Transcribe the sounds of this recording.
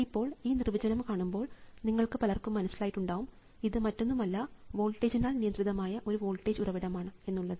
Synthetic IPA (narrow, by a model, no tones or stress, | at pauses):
ipːo̞ːɭiːnirʋɐd͡ʑɐnɐmkaːɳumbo̞ːɭniŋːɐɭkɨpɐlɐrkumːɐnɐsːilaːjitːuɳɖaːʋum | iðɨmɐtːo̞nːumɐlːɐʋo̞ːlʈːeːd͡ʑinaːlnijɐnd̪riðɐmaːjɐʔo̞ɾuʋo̞ːlʈːeːd͡ʑurɐʋiɽɐmaːɳɨe̞nːuɭːɐðɨ